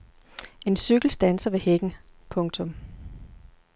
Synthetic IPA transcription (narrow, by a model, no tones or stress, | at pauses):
e̝nsyɡ̥l̩sd̥ænsɐʋe̝heɡ̥n̩ | pʰɔ̽ŋt͡sʰɔ̽m